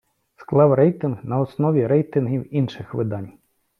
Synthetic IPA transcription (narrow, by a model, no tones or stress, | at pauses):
sklˠɑwɾɛjt̪ɪnɦnɐɔsnɔʋʲiɾɛjt̪ɪnɦʲiwinʃɪxʋɪd̪ɑnʲ